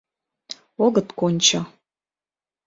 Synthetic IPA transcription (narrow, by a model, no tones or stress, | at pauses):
oɡɤ̆t̪konʲt͡ɕə